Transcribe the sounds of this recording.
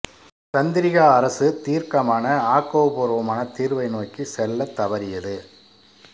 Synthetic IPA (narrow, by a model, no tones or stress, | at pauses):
t͡ʃɐnd̪ɪɾɪɣaɐɾɐsɯt̪iːɾkɐmaːnɐaːkoːbɔɾoːmaːnɐt̪iːɾɯʋɐɪnoːkːɯsɛlːɐt̪ːɐʋɐɾɪjɐðɯ